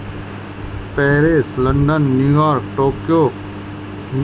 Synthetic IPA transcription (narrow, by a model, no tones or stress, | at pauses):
pɛːɾeːsləɳɖənːjuːjaːɾk̚ʈoːkjoː | n